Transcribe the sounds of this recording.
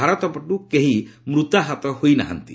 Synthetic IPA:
aɾɔt̪ɔpɔʈukeɦimɾut̪aɦat̪ɔhojna̰ɦa̰nt̪ḭ

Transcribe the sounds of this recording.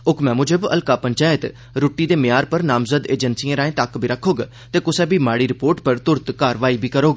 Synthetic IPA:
ʊkʰmɛ̃ːmʊd͡ʒebə̰lkaːpəɲt͡ʃaːjət̪ | ɾoːʈiːd̪eːmɪjaːɾpəɾnaːmzəd̪eːd͡ʒənsiːãːɾaːẽt̪aːkbʱiːɾəkʰːoːɡa | t̪eːkʊsɛːbiːmaːɽiːɾɪpoːɾʈpəɾt̪ʊɾt̪kaːɾʋaːiːbʱiːkəɾoːɡa

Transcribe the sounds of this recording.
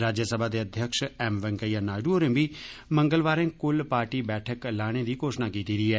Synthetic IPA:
ɾaːd͡ʒjəsəbʱaːd̪eːəd̪ʱjəkʃɛːmʋəŋkəijaːnaːɖuoːɾẽʋiːməŋɡəlʋaːɾẽːkʊlpaːɾʈiːbɛːʈʰəklaːɽ̃eːd̪iːkoːʃnaːkiːt̪iːɾiːɛː

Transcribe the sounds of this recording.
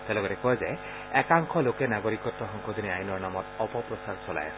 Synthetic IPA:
tɛlɔɡɔtɛkɔjzɛ | ɛkaŋkʰɔlokɛnaɡɔɹikɔtːɔxɔŋkʰod̪ʱiniajinɔɹnamɔtɔpɔpɹɔsaɹsɔla̰ja̰sɛ

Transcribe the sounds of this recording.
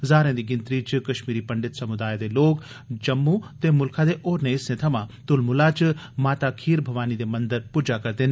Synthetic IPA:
zaːɾẽːd̪iɡɪnt̪ɾiːt͡ʃɨkɐʃmiːɾipɐɳɖɪt̪sɐmʊd̪aːjed̪eloːk | d͡ʒɐmːut̪emʊlkʰad̪eʔoːɾneɪsnẽt̪ʰɐmãt̪ʊlmʊlat͡ʃɨ | maːt̪akʰiːɾbʱɐʋaːnid̪emɐnd̪əɾpuːd͡ʒakɐɾt̪en

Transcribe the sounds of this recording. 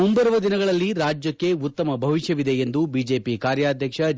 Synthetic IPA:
umbɐɾɐʋɐd̪inɐɡɐɭɐlːiɾaːd͡ʒjɐkːe̞ut̪ːɐmɐbʱɐʋiʃjɐʋid̪e̞end̪ubiːd͡ʒe̞ːpikaːɾjaːd̪ʱjɐkʂɐ

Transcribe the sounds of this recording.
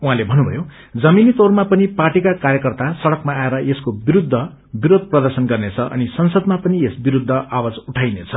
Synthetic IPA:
uɦãlebʱʌnːubʱʌ̰jo | d͡zʌminit̪ormapʌniparʈikakarjʌkʌrt̪asʌɽʌkmaːeɾʌʔeskobiɾud̪ʱːʌ | biɾod̪̚ʱprʌd̪ʌrsʌnɡʌrnet͡sʰʌʔʌ̰nisʌnsʌd̪̚mapʌniesbiɾud̪ʱːʌʔawad͡zuʈʰajnet͡sʰʌ

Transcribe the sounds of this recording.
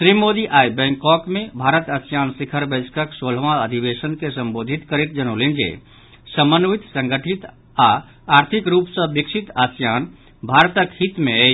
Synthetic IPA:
sɾimod̪iʔajbɛ̃ŋkɔkmebʱaɾət̪əsjansikʰəɾbəd͡ʒkəksolʋãəd̪ʱibesənkesəmbod̪ʱit̪kəɾet̪̚d͡ʒənolind͡ʒḛ | səmənʋit̪sə̃ŋɡəʈʰit̪ | a | aɾt̪ʰikɾupsə̃biksʰit̪asjan | bʱaɾt̪əkhit̪meɛ

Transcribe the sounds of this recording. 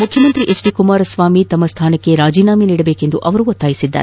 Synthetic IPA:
mukʰjɐmɐnt̪ɾiʔet͡ʃɖiːkumaːɾɐsʋaːmit̪ɐmːɐst̪ʰaːnɐkːe̞ɾaːd͡ʒiːnaːminiːɽɐbeːke̞nd̪uʔɐʋɐɾuot̪ːaːjisid̪ːa̰ɾ

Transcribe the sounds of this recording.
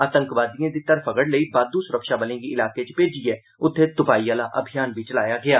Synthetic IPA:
aːt̪ə̃ŋkʋaːd̪ijãːd̪iːt̪əɾfʰəkəɽləiːbaːd̪usʊɾəkʃaːbəlẽːɡiɪlaːkeːt͡ʃpeːd͡ʒiɛː | ʊt̪ʰːeːt̪ʊpaːiːaːlaːʔə̰bʱijaːnbʱiːt͡ʃəlaːjaːɡɪaː

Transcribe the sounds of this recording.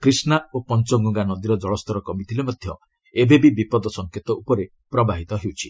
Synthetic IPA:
kɾisnaopɔnt͡ʃɔŋɡuŋɡanɔd̪iɾɔd͡ʒɔɭɔst̪ɔɾɔkɔmit̪ʰilemɔd̪ʱjɔ | ebebibipɔd̪ɔsɔŋkʰet̪ɔʔupɔɾe | pɾɔbaɦit̪ɔɦewt͡ʃʰi̥

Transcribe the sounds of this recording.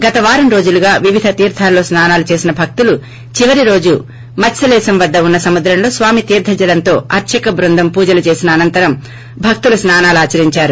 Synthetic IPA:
ɡɐt̪ɐʋaːɾɐmɾoːd͡ʒuluɡaːʋiʋid̪ʱɐt̪iːɾd̪ʰʱaːlːo̞ːsnaːnaːlut͡ʃe̞ːsinɐbʱɐk̚t̪ulu | t͡ʃiʋɐɾiɾo̞ːd͡ʒu | mɐsɐlɛːsɐmʋɐd̪ːɐunːɐsɐmud̪ɾɐmlo̞ːsʋaːmit̪iːɾd̪ʱʰɐd͡ʒɐlɐnt̪o̞ːɐɾt͡ʃʰɐkɐbɾund̪ʱɐmpuːd͡ʒɐlut͡ʃe̞ːsinɐːnɐnt̪ɐɾɐm | bʱɐk̚t̪ulusnaːnaːlaːt͡ʃɐɾiɲt͡ʃaːɾu

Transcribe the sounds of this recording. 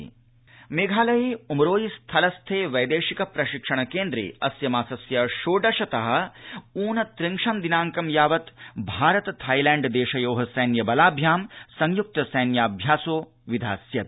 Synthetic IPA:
meːɡʱaːlɐjeumɾoːjist̪ʰɐlɐst̪ʰeːʋɐjd̪eːʂikɐpɾɐʃikʂɐɳ̃ɐkeːnd̪ɾḛːɐ̰sjɐmaːsɐsjɐʃoːɖɐʃɐt̪ɐɦɐ̆uːnɐt̪ɾɪŋʂɐmd̪inaːŋkɐmjaːʋɐt̪bʱaːɾɐt̪ɐt̪ʰɐjlɛ̃ːɳɖd̪eːʃɐjoːɦɐsɐjːnjɐbɐlaːbʱjaːmsɐŋjuk̚t̪ɐsɐjnjaːbʱjaːsoː | ʋid̪ʱa̰ːsjɐt̪

